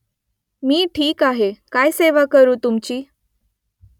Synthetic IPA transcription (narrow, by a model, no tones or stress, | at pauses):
miːʈʰiːkaɦekajseʋakəɾuːt̪umt͡ɕiː